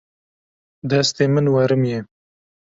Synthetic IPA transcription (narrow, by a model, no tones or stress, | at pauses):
d̪ast̪emənwaɾɨmje